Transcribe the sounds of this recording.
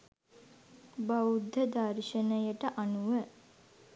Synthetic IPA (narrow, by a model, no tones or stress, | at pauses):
baud̪ʱːəd̪aːɾiʃənəjəʈəʔanuʋə